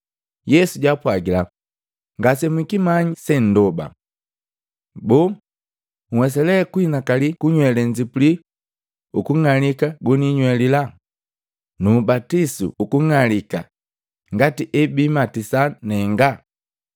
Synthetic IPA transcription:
jɛsuɟwapwaɡila | ŋɡasɛmwikimaɲisɛn̩dɔba̰ | bɔː | ŋ̩wɛsɛlɛkuinakalikuɲwɛlɛɲd͡ʒipuli | ukuŋalikaɡuniɲwɛlila | nubatisṵːkuŋalika̰ | ŋɡatiʔɛbimatisanɛŋɡa

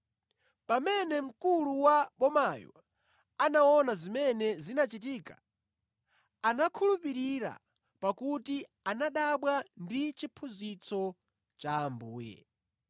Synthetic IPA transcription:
pamɛnɛm̩kuluwaɓɔmajɔ̰ | anaɔnazimɛnɛzinat͡ʃit̬iːka̰ | anakʰulupiɾiɾa̰ | pakuti | anaɗaɓwandit͡ʃipʰuzit͡sɔ | t͡ʃaːmbuːjɛ̰

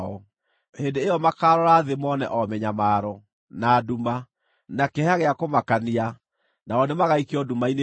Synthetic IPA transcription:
ɔ | hendeejɔmakaɾɔɾaðemɔnɛ̰ʔɔmɛɲamaːɾɔ | naduma | nakɛhaɣeakomakania | naɔnemaɣaikeɔdumaine

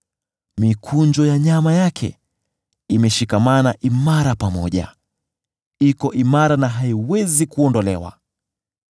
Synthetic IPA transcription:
mikʰund͡ʒɔjaɲamajakʰɛ̰ | imɛʃikamanaʔimaɾapamɔ̰ʄa̰ | ikɔʔimaɾanaɦaiwɛzikuɔndɔlɛwa̰

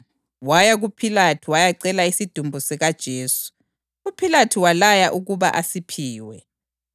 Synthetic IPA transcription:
wajaɣupʰilatʰiwajaǀɛlaisid̥ʱumbʱusɛɣad̥ʒ̥ʱeːsu̥ | upʰilatʰiwalajaʔuɣuβa̰ʔasipʰiːwɛ

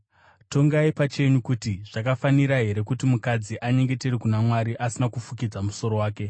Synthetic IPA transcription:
to̞ŋɡaipat͡ʃe̞ɲukutiʐ̥akafaniɾaɦe̞ɾe̞kutimukad͡ziʔaɲe̞ŋɡe̞teɾikunamwaɾiʔasinakufuk̬id͡zamuso̞ɾo̞waːke

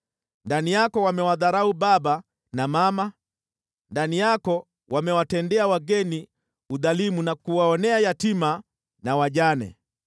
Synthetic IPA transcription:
ndanijakɔwamɛwaðaɾauɓaba | namama | ndanijakɔ | wʔamɛwatɛndɛawaɡɛni | uðalimunakuwaɔnɛajatima | nawaʄanɛ̰

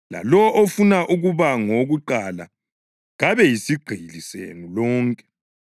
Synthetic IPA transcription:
la̰lɔʔofunaʔuɣuβaŋoɣuǃala̰ | ɣaβɛjisiɡ͡ǃ̥ʱilisḛnulɔːŋkʼɛ̥

